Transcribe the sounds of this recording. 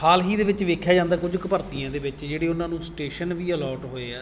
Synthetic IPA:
haːlɦiːd̪eːʋɪt͡ʃʋeːkʰjaːd͡ʒãːnd̪aːkʊd͡ʒkəpəɾt̪ijãːd̪eːʋɪt͡ʃd͡ʒeːɽeːʊnãːnũːsʈeːʃənʋiːəlɔːʈɦoːeːaː

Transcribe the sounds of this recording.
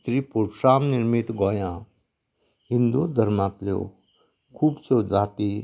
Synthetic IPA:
t̪ɾipuʈʂaːmniɾmit̪ɡɔːjã | ɦind̪ud̪ʱəɾmaːt̪ljo̰ | kʰuːbsod͡zaːt̪i

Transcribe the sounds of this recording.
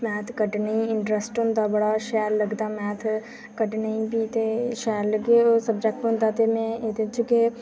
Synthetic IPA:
mɛ̃ːt̪ʰkəʈneiɪɳʈɾəsʈʊnd̪abɐɽaʃɛːɾləɡd̪amɛːt̪ʰ | kəʈnəĩbit̪eʃɛːɾləɡeosəbd͡ʒɛk̚ʈɦʊ̃nd̪at̪emɛ̃ed̪et͡ʃke

